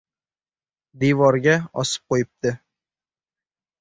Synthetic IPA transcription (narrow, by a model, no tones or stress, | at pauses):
d̪ijvɒɾɡʲaɒsɨ̥p̚qojɪp̚t̪ɪ